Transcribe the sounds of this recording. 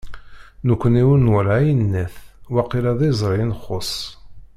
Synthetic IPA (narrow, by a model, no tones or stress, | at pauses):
nəkʷːəniwənːwəlʕajənːæθwæqːiɾæðˤizˤɾˤinχːosˤ